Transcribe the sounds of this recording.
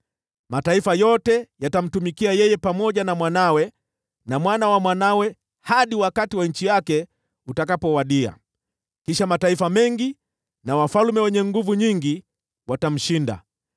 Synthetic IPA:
mataifajɔtɛjatam̩tumikiajɛjɛpamɔʄanamwanawɛ | namwanawamwanawɛ | haɗiwakatiwaɲ̩t͡ʃijakɛ | utakapɔwaɗia̰ | kiʃamataifamɛŋɡi | nawafalmɛwɛɲɛŋɡuvuɲiŋɡi | watam̩ʃinda̰

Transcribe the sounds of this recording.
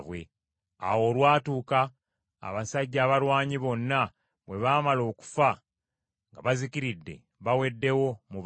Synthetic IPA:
βwḛ | a̰wo̞ːlwaːtuːka | a̰βasaɟːaːβalwaːɲiβo̞nːa | βwe̞βaːmalo̞ːku̥fa | ŋɡaβazikiɾidːe̞̰ | βawe̞dːe̞wo̞muβ

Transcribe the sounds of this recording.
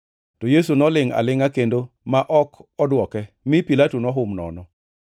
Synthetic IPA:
tojes̬unɔlɪŋa̰lɪŋakendo | maʔɔkɔdwɔkɛ | mɪpilatonɔɦʊmnɔ̰nɔ

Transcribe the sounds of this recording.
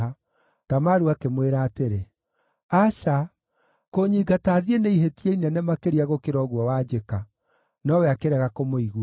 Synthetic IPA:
a | tamaɾuakemweɾaːteɾe | aʃa | koɲiːɡataːðieneiɦetieinɛnɛmakeɾiaɣokeɾɔɣwɔwad͡ʒeka | nɔwɛakeɾɛɣakomoiɣu

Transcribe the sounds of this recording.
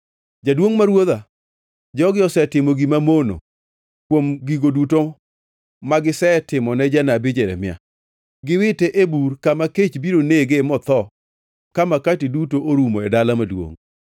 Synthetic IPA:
d͡ʒadwoŋmaɾwoða | d͡ʒɔɡɪɔsɛtɪmoɡimamono̰ | kwomɡiɡoduto | maɡɪsɛtɪmɔnɛd͡ʒanabɪd͡ʒɛɾɛ̰mɪa̰ | ɡɪwɪtɛʔeburkamaket͡ʃbiɾoneɡemɔt̪ɔ | kamakatidutoʔoɾumoɛdalamadwo̰ŋ

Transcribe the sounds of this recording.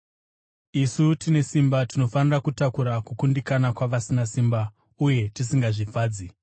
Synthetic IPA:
isutine̞simbatino̞fanirakutakuɾakukundikanakwaʋasinasimba | uje̞tisiŋɡaʐifaːd͡zi

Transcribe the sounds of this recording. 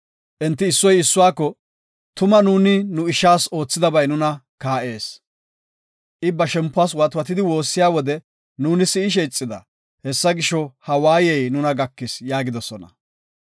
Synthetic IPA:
ʔɛnt̪ːɪɪsːɔjɪsːʊwaːkːɔ | t̪ʊmɐnuːnɪnʊɪʃaːso̞ːt͡sːɪd̪ɐbɐjnʊnɐ | kaːʔe̞ːs | ʔɪbːɐʃɛmpːʊaːs̬wɐt̪ʊwɐt̪ɪd̪ɪwo̞ːsːɪjaːwɔd̪ɛ | nuːnɪsɪɪʃ̬ɛjt͡sʼːɪd̪ɐ̰ | hɛsːɐɡɪʃːɔhɐwaːjɛjnʊnɐɡɐkːɪsjaːɡɪd̪ɔsɔnɐ̰

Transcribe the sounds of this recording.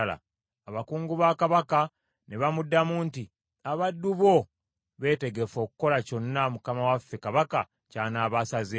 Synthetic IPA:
la̰ | aβakuːŋɡuβaːkaβaka | ne̞βamudːamuːnti | aβadːuβo̞ | βe̞ːte̞ɡe̞fo̞ːkuko̞laco̞nːamukamawafːe̞kaβaka̰ | caːnaːβasaze

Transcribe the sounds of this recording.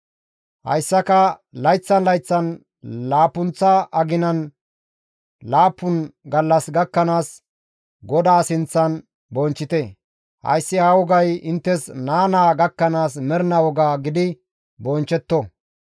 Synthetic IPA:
hɐ̰jsːɐkɐlɐjt͡sːɐnlɐjt͡sːɐn | laːpːʊnt͡sːɐʔɐɡɪnɐn | laːpːʊnɡɐlːɐsɡɐkːɐnaːs | ɡɔd̪aːsɪnt͡sːɐn | bɔnt͡ʃːɪt̪ɛ | hɐ̰jsːɪhawɔɡɐjɪnt̪ːɛsnaːnaːɡɐkːɐnaːsmɛɾɪnɐwɔɡaːɡɪd̪ɪ | bɔnt͡ʃːɛt̪ːɔ

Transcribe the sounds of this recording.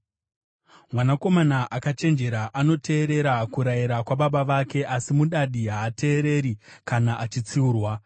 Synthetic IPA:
mwanako̞manaʔakat͡ʃe̞nd͡ʒe̞ɾaʔano̞te̞ːɾe̞ɾakuɾaiɾakwaɓaɓaʋake̞ʔasimuɗaɗiɦaːte̞ːɾe̞ɾikanaʔat͡ʃit͡siuːrwa

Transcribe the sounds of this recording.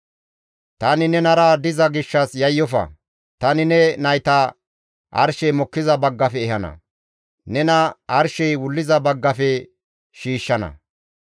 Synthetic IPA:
t̪ɐnɪnɛnɐɾɐd̪ɪzɐɡɪʃːɐsjɐjːɔfɐ̰ | t̪ɐnɪnɛnɐjt̪ɐ | ʔɐ̰ɾʃɛjmɔkːɪzɐbɐɡːɐfɛɛhɐnɐ̰ | nɛnɐɐɾʃɛjwʊlːɪzɐbɐɡːɐfɛ | ʃiːʃːɐnɐ̰

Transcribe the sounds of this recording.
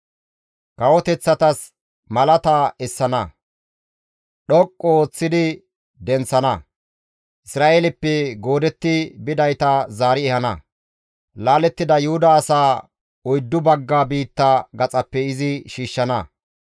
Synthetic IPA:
kɐwɔt̪ɛt͡sːɐt̪ɐs | mɐlɐt̪aɛsːɐnɐ | ɗɔkʼːɔoːt͡sːɪd̪ɪ | d̪ɛnt͡sːɐnɐ | ʔɪsɾaːʔeːlɪpːɛɡo̞ːd̪ɛt̪ːɪbɪd̪ɐjt̪ɐzaːɾɪɛhɐnɐ̰ | laːlɛt̪ːɪd̪ɐjʊhʊd̪ɐːsaː | ɔjd̪ːʊbɐɡːaːbiːt̪ːaɡɐt͡sʼɐpːɛɪzɪʃiːʃːɐnɐ

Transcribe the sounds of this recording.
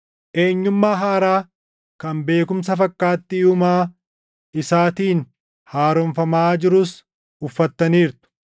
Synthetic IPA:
ʔe̞ːɲːʊmːaːɦaːɾaː | kɐmbe̞ːkʊmsɐfɐkːaːt̪ːɪʊmaː | ɪsaːt̪iːn | haːɾɔɱfɐmaːd͡ʒɪɾʊs | ʊfːɐt̪ːɐniːɾt̪ʊ̥

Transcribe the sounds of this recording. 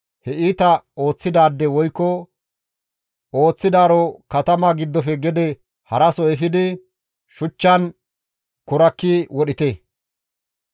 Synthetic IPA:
hɛʔiːt̪ɐo̞ːt͡sːɪd̪aːd̪ːɛwɔjkːɔ | o̞ːt͡sːɪd̪aːɾɔkɐt̪ɐmaɡɪd̪ːɔfɛɡɛd̪ɛ | hɐɾɐsɔɛfɪd̪ɪ | ʃʊt͡ʃːɐn | kʊɾɐkːiwɔɗɪt̪ɛ

